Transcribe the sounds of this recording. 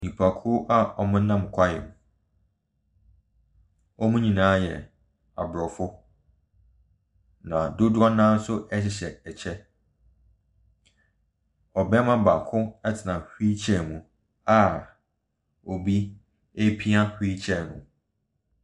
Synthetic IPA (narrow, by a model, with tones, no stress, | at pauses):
nĩ˨pʰa˨kʰʊ˦ʔa˦ɔ˨mʊ̃˦nã˦˨m˨kʷʰa˦jɛ̰˨mũ˨ | ɔ˦mũ˦ɲĩ˨nãː˦jɛ˨ | a̰˨bɾɔ˨fʊ˦ | nã˨dʊ˦dʊ˦ɔ˦nãː˦n˦sʊ˦ʔɛ˦ɕɪ˨ɕɛ˨ɛ˨t͡ɕʰɛ˦ | ɔ˨bɛ˦mã˦ba˨kʰʊ̃˦ɛ˦tʰɪ˨nã˨hi˦t͡ɕʰɛ˦˨mũ˨ | a˨ | o˨bi˦ | e˦pʰi˦a˦hi˦t͡ɕʰɛ˦˨nʊ̰̃˨